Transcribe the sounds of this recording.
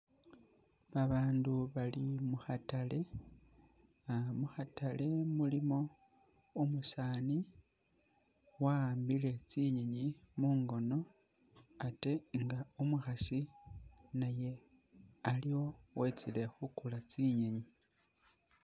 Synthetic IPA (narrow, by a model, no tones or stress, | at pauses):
βaβaːnduβalimuxatale̞ | amuxatale̞mulimo̞ | umusaːni | wambile̞t͡siɲe̞ɲimuːŋɡo̞no̞ | ate̞ŋɡaumuxasi | naje̞ | aliwo̞we̞t͡sile̞xukulat͡siɲeɲi